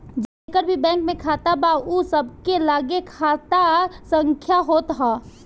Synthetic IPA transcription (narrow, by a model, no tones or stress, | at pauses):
d͡ʒəkəɾbʱibɛ̃ːŋkmẽkʰat̪abausəbkelaːɡekʰat̪asə̃ŋkʰjaɦoːt̪ɦaː